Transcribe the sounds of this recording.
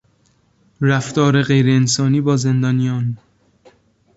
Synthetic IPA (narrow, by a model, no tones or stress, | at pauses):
ɾæft̪ɒːɾe̞ɣe̞jɾeːnsɒːniːbɒːze̞nd̪ɒːnijɒːn